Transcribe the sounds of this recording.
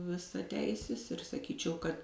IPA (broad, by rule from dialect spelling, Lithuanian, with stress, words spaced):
ʋʲɪsɐˈtʲɛɪsʲɪs ɪr sɐˈkʲiːt͡ʃʲɛʊ kɐt